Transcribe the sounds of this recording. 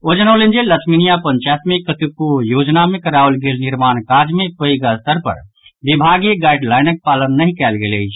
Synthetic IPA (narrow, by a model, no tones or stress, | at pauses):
od͡ʒənalend͡ʒelət̪sʰminijapənt͡ʃajt̪mikːət̪ukujoːd͡ʒnamẽkəɾaʋəlɡeːlnɪɾmaːnkad͡ʒmẽpəiɡast̪əɾpə̰ɾ | bibʱaɡjeɡaːɪɖlaːɪnək̚palənːəɦĩkɛːlɡḛːleɪt͡ʃʰ